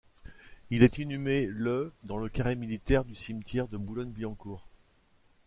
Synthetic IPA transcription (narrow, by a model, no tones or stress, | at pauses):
ilɛt̪inymeləd̪ɑ̃ləkaʁemilit̪ɛʁd̪ysimt̪jɛʁd̪əbulɔnbiɑ̃kuːʁ